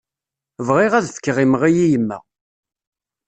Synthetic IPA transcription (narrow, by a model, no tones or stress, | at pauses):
vʁɪʁæðθə̥kːʁimʁijijəmːæ̰